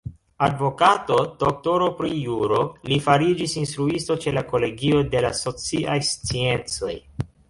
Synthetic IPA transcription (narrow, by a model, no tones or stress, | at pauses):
advo̞kato̞d̥o̞k̚to̞ɾo̞pɾijuɾo̞lifaɾid͡ʒisinst̪ɾuisto̞t͡ʃe̞lako̞le̞ɡio̞de̞laso̞t͡siʔajst͡sie̞nt͡so̞̰j